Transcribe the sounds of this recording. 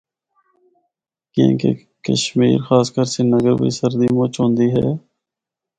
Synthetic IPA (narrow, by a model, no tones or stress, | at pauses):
kḛ̃ːkḛ | kə̰ʃmiːɾxaːskəɾsenəɡəɾbḭːsəɾd̪imoːt͡ʃɦõːnd̪iːɦɛ̰ː